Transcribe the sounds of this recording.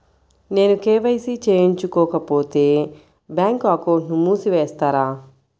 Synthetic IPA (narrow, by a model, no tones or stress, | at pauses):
ne̞ːnukeːʋɐjsit͡ʃeːjɲt͡ʃukɔːkɐpoːt̪e̞ː | bjaːŋkaːkowʈnumuːsiʋeːst̪aːɾaː